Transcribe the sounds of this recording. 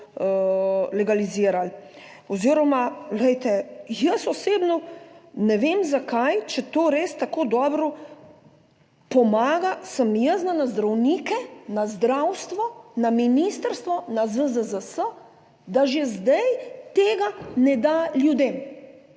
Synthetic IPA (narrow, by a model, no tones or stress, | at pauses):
lɛɡaliziːɾal | ɔziːɾɔmalɛjt̪ɛjəsɔseːbnɔnɛʋeːmzakajt͡ʃɛt̪oːɾeːst̪akoːd̪ɔːbɾɔ | pɔmaːɡasəmjəsnanazd̪ɾawniːkɛnazd̪ɾawst̪ʋɔnaminiːst̪əɾst̪ʋɔnazəzəzəsə | d̪aʒezd̪ajt̪eːɡanɛd̪aljud̪em